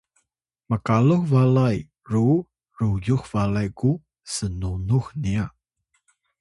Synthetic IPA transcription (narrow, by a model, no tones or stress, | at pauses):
məkaluxvalaj | ru | ɾujuxvalajku | sənunuxnia